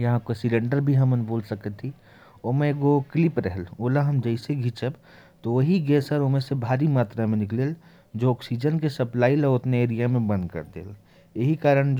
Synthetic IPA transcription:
jɐɦãkosilẽɳɖəɾbʱiɦɐmənboːlsəkət̪ʰːi | oːmẽɡoklipɾɛɦɛloːlaɦɐmd͡ʒəɪseɡʱit͡ʃəb | t̪oʋɐɦiɡeːsəɾomẽsebʱaːɾimaːt̪ɾamẽnɪklel | d͡ʒoɔːksid͡ʒənkesɐplaːileʊt̪neeːɾijamẽbə̃nd̪kɐ̰ɾd̪ḛːl | jeɦikaːɾəɽ̃d͡ʒ

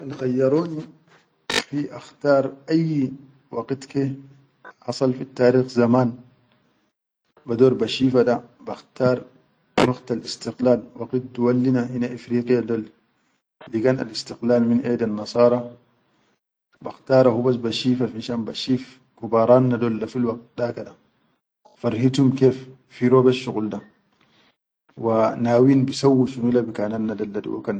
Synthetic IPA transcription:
anxajːɑɾoːni | fiʔaxt̪ɑːɾˤʔajː | wɑɡit̪ke | hɑsˤɑlfit̪ːaːɾiːxzamaːn | bad̪oːɾbaʃiːfadabaxt̪ɑːɾˤ | waɡt̪alist̪iqlaːlwɑqit̪̚t̪uwalːinaʔinaʔifɾiːqijad̪olː | iɡana̰list̪iqlaːlminʔedanːɑsˤɑːɾˤɑ | ba̰xt̪aːɾˤahubas̬baʃiːfafinʃaːnbaʃiːf | kubaːɾˤɑːnːadolːafilwɑɡ̚t̪̚dakada | faɾhit̪umkeːfː | iɾoːbaʃːuɣulda | wanaːwiːnbisawːiʃunulabikaːnanːadalːadḭwa̰kan

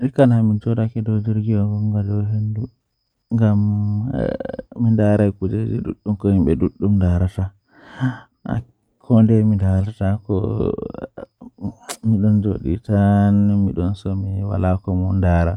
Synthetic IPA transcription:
ɾkanamind͡ʒɔɗakɛdɔd͡ʒeɾɡijɔɡɔŋɡadɔwɦendu | ŋɡam̰ | indaɾajkud͡ʒed͡ʒḭdṵɗːumkɔhimɓɛduɗːumdaɾata | a̰ | kʰɔndɛmidaatakɔ̰ | miɗɔnd͡ʒo̰ɗḭtanmiɗɔnsɔmiwa̰lakɔmɔndaɾa

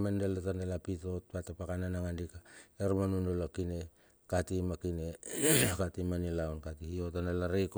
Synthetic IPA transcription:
mandelatandelapito̞t̚patapakananaŋandikaeɾmanundolakine̞ | katimakine̞katimanilawnkatihio̞tandelaɾik

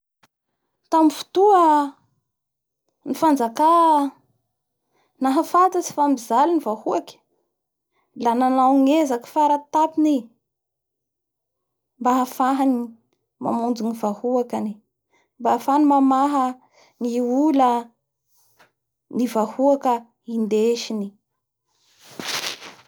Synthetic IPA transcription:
t̪amifu̥t̪uə | nifand͡zaka | naɦafat̪at͡si̥fambizalinivahuakʲə̥ | lananawŋezaki̥faɾat̪apini | mbaɦafaɦani | ma̰mund͡zunivahuakani | mbafanimamaɦə | ŋiulə | nivahuakə | ind̪eʃini

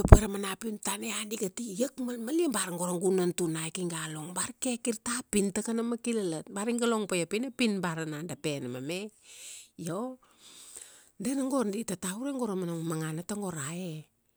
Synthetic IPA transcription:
opeɾamanapintaneandiɡatijakmalmaliebaɾaŋɡo̞ɾaŋɡunantunajkiŋɡaloŋbaɾke̞kiɾtapintakanamakilalat̚baɾiŋɡalo̞ŋpajapinepinbaɾanandape̞namame | jo | denaŋɡo̞ɾditatauɾeŋɡo̞ɾamanaŋmaŋanataŋɡo̞ɾae

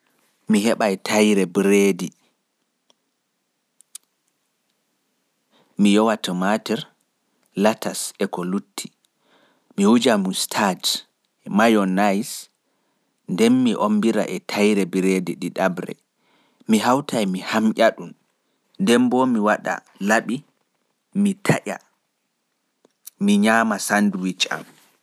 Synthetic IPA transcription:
miɦɛɓajtʰajɾɛbɾedi | mijɔwatamatɛɾ | latasɛkɔlutʰːi̥ | miwud͡ʒamustʰad͡ʒ | ɛmajɔnajs | ndɛnːiʔombiɾa̰ʔɛtʰajɾɛbiɾediɗiɗabɾɛ̰ | miɦawtʰajmihamʔʲaɗun | ndɛmbɔmiwaɗa̰ | laɓi | mitʰaʔa̰ | miɲaːmasanduwit͡ʃa̰m

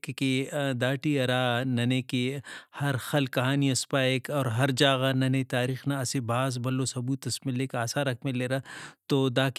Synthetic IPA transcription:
kked̪aːʈiɐɾaːnɐneːkehɐɾxɐlkːɐɦaːniɐspaːekɔːɾɦɐɾd͡ʒaːɣanɐnet̪aːɾiːxnaɐsebʱaːzbɐlːosɐbuːt̪ɐsmɪlekaːsaɾɐkmeleːɾaːt̪oːd̪aːk

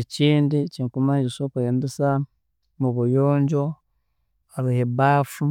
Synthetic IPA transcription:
et͡ʃiːndiciŋkumad͡ʒisokujeːndisa | muβujoːɲd͡ʒo | aɾihebaːfu

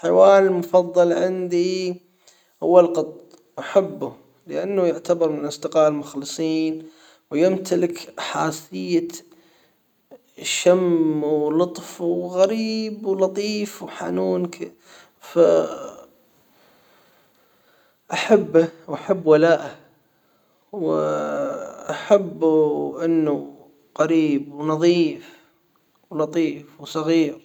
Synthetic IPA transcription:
ħɪwaːlɪlmʊfɑðˤːɑlʕɪnd̪i | hʊ̰wːalqɑt̪ˤ | ʔaħabːʊ | ləʔanːajʊʕt̪abɪɾmɪnlʔɪsd̪ɪqɑːʔlmʊxlɨsˤiːn | wjɪmt̪alɪkʔaħaːsɪjːa | ʃamwlʊt̪ˤfwɣaɾiːbwlɑt̪ˤiːfwħa̰nuːnk | fa | ʔaħabːawʔaħabːwalaːʔa | w | ʔaħabːʔɪnːu | qaɾiːbwnɑðˤiːf | wlɑt̪ˤiːfwsˤɑɣiːɾ

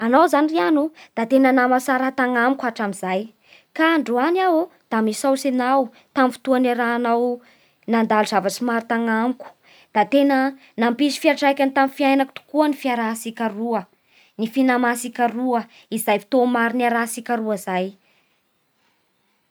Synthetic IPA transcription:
anawzanirianud̪̥at̪enənamasaɾat̪aŋamikaʈ͡ʂamizaj | kaɳɖ͡ʐuanawud̪̥amisawsenaw | t̪amfi̥t̪uanaɾaːnaw | nand̪aluz̥avaʈ͡ʂimaɾit̪aŋamkʲu̥ | d̪̥at̪enə | nampisi̥fiaɾʈ͡ʂajkʲant̪amifiajnakut̪u̥kuənifiaɾasikʲaɾuə | nifinamasikʲaɾuə | izajfi̥t̪omaɾiniaɾasikʲaɾuəzaj

